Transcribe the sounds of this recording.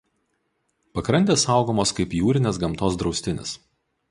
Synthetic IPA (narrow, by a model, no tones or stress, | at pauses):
pɐkɾɐnʲt̪ʲeːsɐˑʊɡoːmoːskɐɪpjuːɾʲɪnʲeːs̬ɡɐmt̪oːsd̪ɾɒʊsʲt̪ʲɪnʲɪ̰s